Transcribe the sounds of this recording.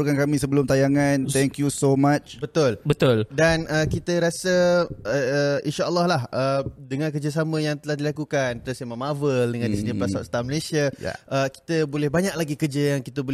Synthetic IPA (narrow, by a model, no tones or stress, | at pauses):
ukankamĩsəbəlʊmt̪ajaŋãnt̪ɛŋkjusomat͡ʃbət̪ʊlbət̪ʊldanəkit̪əɾasəəəinʃaʔlːɔhlahəmdəŋãnkərd͡ʒəs̬amə̃jaŋt̪əlahdilakukant̪ələsemamavəldəŋãndisidiplasaʔst̪aməlesiaa̰ʔəki̥t̪əbolɛhbaɲaʔ̚laɡikərd͡ʒəjaŋkit̪əbo